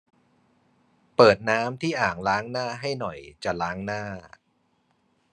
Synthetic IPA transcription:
pɤː˨˩t̪̚naː˦˥mt̪ʰiː˥˩ʔaː˨˩ŋlaː˦˥ŋnaː˥˩ɦa˥˩jnɔ˨˩jt͡ɕa˨˩laː˦˥ŋnaː˥˩

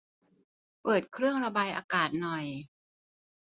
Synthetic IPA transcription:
pɤː˨˩t̪̚kʰɾɯ˥˩əŋɾa˧baː˧jʔa̰ː˧kaː˨˩t̪̚nɔ˨˩j

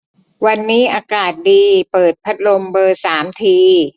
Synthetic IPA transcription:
wa˧nːiː˦˥ʔaː˧kaː˨˩t̪̚diː˧pɤː˨˩t̪̚pʰa˦˥t̪̚lo˧mbɤː˧saː˩˦mt̪ʰiː˧

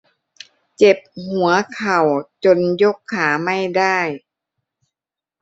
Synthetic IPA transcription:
t͡ɕe˨˩p̚hu˨˩˦ɐkʰa˨˩wt͡ɕo˧njo˦˥˩kʰːaː˩˦ma˥˩jda˥˩j

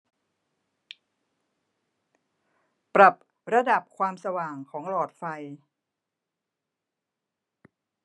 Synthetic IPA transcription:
pɾa˨˩p̚ | ɾa˧da˨˩p̚kʰwaː˧msa˧waː˨˩ŋkʰɔː˩˦ŋlɔː˨˩t̪̚fa˧j

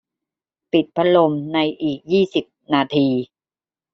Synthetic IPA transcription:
pi˨˩t̪̚pʰa˦˥lo˧mna˧jʔiː˨˩k̚jiː˥˩si˨˩p̚naː˧t̪ʰiː˧

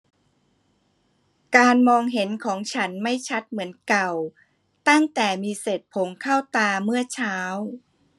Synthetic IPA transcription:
kaː˧nmɔː˧ŋɦe˩˦nkʰɔː˩˦ŋt͡ɕʰa˦˥nma˥˩jt͡ɕʰa˦˥t̪̚mɯ˩˦ənka˨˩w | t̪a˥˩ŋt̪ɛː˨˩miː˧se˨˩t̪̚pʰo˩˦ŋkʰa˥˩wt̪aː˧mɯ˥˩ɐt͡ɕʰaː˦˥w

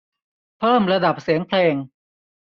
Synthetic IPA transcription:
pʰɤː˥˩mɾa˧da˨˩p̚si˩˦əŋpʰleː˧ŋ

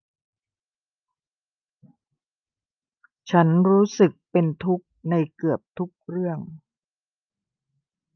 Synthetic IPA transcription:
t͡ɕʰa˦˥nɾuː˦˥sɯ˨˩k̚pe˧nt̪ʰu˦˥k̚na˧jkɯ˨˩əp̚t̪ʰu˦˥k̚ɾɯ˥˩əŋ

